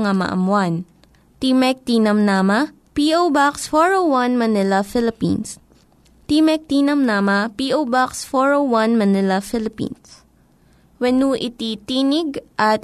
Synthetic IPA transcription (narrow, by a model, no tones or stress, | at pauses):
ŋamɐ̰ʔɐ̰mwan | t̪imɛk̚t̪iːnɐmnaːmɐ | piʔowbaksfoɹowwɐnmɐnɪlɐfɪlɪpḭns | t̪iːmɛk̚t̪iːnɐmnamɐpiʔowbaksfoɹowwɐnmɐnɪlɐfɪlɪpḭns | wɛnuʔɪt̪it̪iːnɪɡʔɐt̪̚